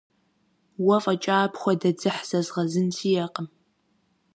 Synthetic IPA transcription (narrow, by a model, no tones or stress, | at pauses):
wɐfʼɐt͡ʃʼaːpxʷɔdɐd͡zɨħz̥ɐzʁɐzɨntʰijɛqʼəm